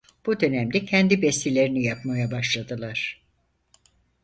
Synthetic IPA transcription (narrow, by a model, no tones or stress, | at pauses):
b̥ud̪ø̞næmd̪ɛcʰɛnd̪ibɛst̪ilʲe̞ɾinijapmajabaʃlˠad̪ɯlˠaɾ̥